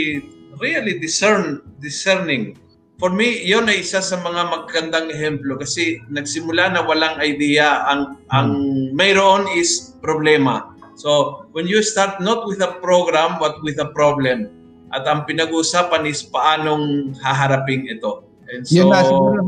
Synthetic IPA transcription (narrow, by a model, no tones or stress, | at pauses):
ɾiɐlid̪ɪsɛɹnd̪ɪsɛɹnɪ̃ŋ | foɹmijonɐjʔɪsasɐmɐŋamɐɡ̚kɐnd̪aŋɛɦɛmplokɐsɛnɐɡ̚sɪmʊlanɐwɐlaŋɐjd̪ijɐʔɐŋʔɐŋmɐjɾoʔo̞nɪspɾoblɛmɐ | sowɛnjust̪aɹt̪̚not̪̚wɪðɐpɾoɡɾambɐt̪̚wɪðɐpɾoblɛm | ʔɐt̪ɐŋpɪnɐɡuːsaːpɐnɪspɐʔaːnoŋhaɦɐɾapɪŋɪt̪o̞ | ʔɛnd̪so